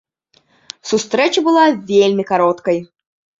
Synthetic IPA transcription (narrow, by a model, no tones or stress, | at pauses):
sust̪ɾɛt͡ʃɐbɨlˠavʲelʲmʲikaɾɔt̪kɐj